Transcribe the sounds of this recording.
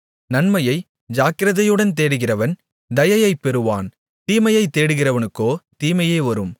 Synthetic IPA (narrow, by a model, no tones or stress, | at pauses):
nɐnmɐjɐɪ | d͡ʒaːkɪɾɐðɐjɯɽɐnt̪̬eːɽɯɣɪrɐʋɐn | d̪ɐjɐjɐɪpːɛɾɯʋa̰ːn | t̪iːmɐjɐɪt̪ːeːɽɯɣɪrɐʋɐnɯkːoːt̪iːmɐjɐɪʋɐɾɯm